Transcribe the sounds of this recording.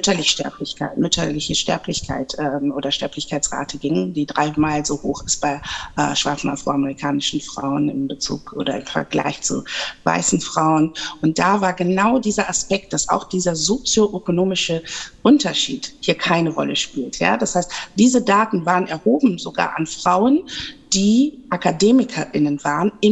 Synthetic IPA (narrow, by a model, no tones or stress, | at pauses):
mʏtʰɐlɪçʃtɛ̰ɐplɪçkʰa̰ɪtmʏtʰɐlɪçəʃtɛ̰ɐpʰlɪçkʰa̰ɪtʔɛːmʔoːdɐʃtɛɐplɪçkʰaɪt͡sʁa̰ːtʰəɡɪŋədiːdʁaɪmaːlzoːhoːxɪstb̥aɪʔɛ̰ːʃv̥aɐt͡sn̩ʔafʁ̥oaməʁikʰaːnɪʃn̩fʁ̥a̰ʊənɪ̰mbət͡sṵːkʔo̰ːdɐ̰ɪmfɛ̰ɐɡla̰ɪçt͡sṵva̰ɪsn̩fʁ̥aʊənʔʊnt̚d̥avaːɐɡənaʊdiːzɐʔaspɛk̚t̚d̥asa̰ʊxd̥iːzɐzot͡sjoʔøkonoːmɪʃəʔʊntʰɐʃḭːthiːɐkʰaɪnəʁɔ̰ləʃpiːltja̰ːd̥ashaɪstd̥iːzədaːtn̩vaːʁənɛɐhoːbm̩zoɡa̰ːɐʔanfʁ̥aʊənd̥iːʔakadeːmɪkʰɐʔɪnənvaːʁənɪ